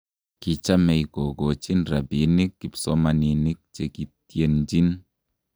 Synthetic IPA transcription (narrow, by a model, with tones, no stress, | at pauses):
ki˨t͡ʃa˦mɛ˨jko˨ɡo˨t͡ʃi˦nɾa˨bi˨ni˦kːi˨psɔ˦ma˨ni˨ni˦k̚t͡ʃe˨ki˨tje˨nd͡ʒi˦n